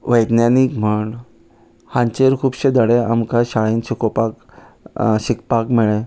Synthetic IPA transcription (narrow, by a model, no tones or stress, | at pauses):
ʋəjd̪njanikm̤əɳ | hãɲt͡ɕeɾkʰuːbɕed̪əɽea̰mkaɕaɭiːnɕukopak | ɕikpakmiɭẽ